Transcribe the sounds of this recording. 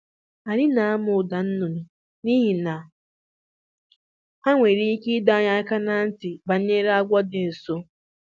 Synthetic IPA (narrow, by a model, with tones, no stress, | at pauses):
a˨ɾɪ˦na˨a˦mʊ˨da˨n̩˦nʊ˨nʊ˨ | ni˦ɦi˨na˨ | a˦ŋʷe˨ɾi˦i˦ki˦da˦ɲa˦ka˦na˨n̩˦tɪ˨ba˨n̩˦ɲe˦ɾa˦ɡʷɔ˦de˨so˦